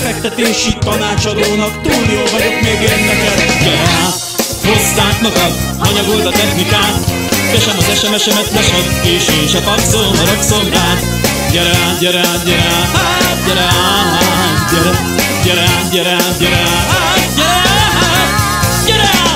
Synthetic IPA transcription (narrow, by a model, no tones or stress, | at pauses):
fɛk̚t̪ɛt̪eːʃit̪ɒnaːt͡ʃɒd̪oːnɒkt̪uːnioːvɒɟok̪meːɡenːɛkɛt̪ɟɛɾɛ | ho̞sːaːknɒkɒ | ɒɲɒɡolt̪ɒt̪ɛxnikaːt̪ | ɟɛʃɛmɒzɛʃɛmɛʃɛmɛt̪lɛʃɛt̪eːʃeːʃɒt̪ɒksoːnɒɾøksont̪aːt̪ | ɟɛɾɛ | ɟɛɾɛ | ɟɛɾɛ | ɟɛɾɛ | ɟɛɾɛ | ɟɛɾɛɟɛɾɛɟɛɾɛ | ɟɛɾɛ | ɟɛɾɛ